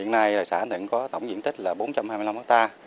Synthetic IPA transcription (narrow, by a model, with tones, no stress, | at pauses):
hḭ˧˨ənːa˧jɗəː˨˩jsaː˧˩nɨ̰˧˨nkɔ˨˦t̪ə˧˩wŋ͡mzḭ˧˥ənt̪ʰï˦˥k̚laː˨˩ɓo˨˦nt͡ɕa˧mhaː˧mɨ˧jla˧mfa˦˥k̚t̪aː˧